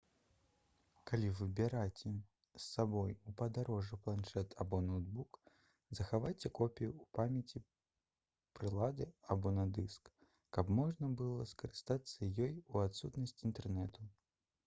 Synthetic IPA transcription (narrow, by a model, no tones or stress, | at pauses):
kalʲivɨbʲɛɾat͡sʲɛ | sːabɔjupɐd̪aɾɔʐɨplˠanʂɛt̪ʰabɔnɔwd̪buk | zɐxavajt͡sʲɛkɔpʲijuːpamʲɐt͡sʲi | pɾɨlˠad̪ɨabɔnɐd̪ɨskː | ɐbmɔʐnɐbɨlˠɐskɐɾɨst̪at̪sːɐjɔjuat̪sut̪nɐsʲt͡sʲint̪ɛrnɛt̪u